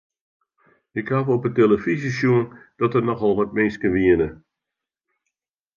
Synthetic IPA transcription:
ɪkhavɔpəteləfizisjuənd̥ɔtərnɔxɔlˠʋɔt̚mɪnskəʋiənə

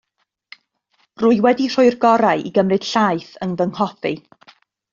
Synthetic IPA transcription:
rʊːjwɛdir̥ʊɨrɡɔɾaɨʔḭɡəmrɨd̥ɬajθəŋvəŋhɔθḭ

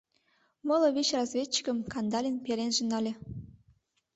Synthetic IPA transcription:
mɤlɤ̆βʲit͡ɕrɑzvʲett͡ɕːi̥kə̆mkɑnd̪ɑlʲinpeɾenʒĕnɑlʲĕ

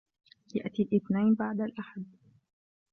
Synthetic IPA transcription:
ja̰ʔt̪ilʔɪθnajnbaʕd̪alʔaħad̪

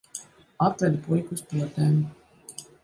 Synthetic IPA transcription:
at̪ɾɛd̪pujkuspuɔt̪ɛːm

